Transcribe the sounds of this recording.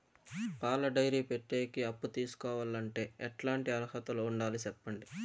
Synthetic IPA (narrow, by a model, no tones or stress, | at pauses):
paːlɐɖɐjɾiːpeʈːeːkiɐpːut̪iːsu̥kɔːʋaːlɐɳʈe̞ːɛʈlaːɳʈiɐlɐhɐt̪ɐlouɳɖaːlit͡ʃɛpːɐɳɖi